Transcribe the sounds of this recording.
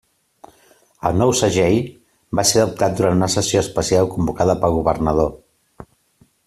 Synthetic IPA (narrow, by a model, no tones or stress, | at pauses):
ə̰lˠnɔwsəʒɛj | baseəup̚t̪at̪̚d̪uɾant̪unəsəsioəspəsialˠkumbukaðəpəlˠɣuβ̞ərnəð̞o